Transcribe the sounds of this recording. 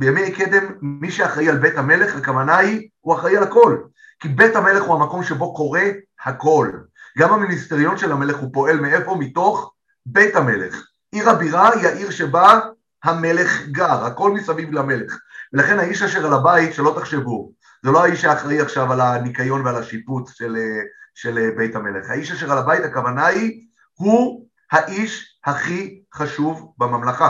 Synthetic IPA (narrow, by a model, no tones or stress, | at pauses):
bejamejke̞d̪e̞mːiʃeaχʁaialbet̪hame̞le̞χakamanaj | uaχʁaialako̞l | kibe̞t̪hame̞le̞χhuhamako̞mʃe̞bo̞ko̞ʁe̞ | hako̞l | ɡamhaminist̪eʁijo̞nʃelame̞leχhupo̞elmee̞fo̞mito̞χ | be̞thame̞le̞̰χ | ʔiʁabiʁaiaʔiʁʃeba | hame̞le̞χɡaʁhako̞lmisavivlame̞le̞χvelaχe̞nhaiʃaʃeʁalabait̪ʃelo̞t̪aχʃe̞vu | zelo̞aiʃaːχʁaiaχʃavalanikajo̞nvealaʃiput͡sʃeleʃe̞lebe̞jthame̞leχhaiʃaʃeʁalabait̪akavanaji | hu | haʔiʃ | haχiχaʃuvbamamlaχa